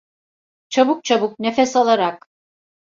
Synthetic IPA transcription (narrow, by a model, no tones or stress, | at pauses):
t͡ʃʰabuk̚t͡ʃʰabukne̞fɛsalˠaɾak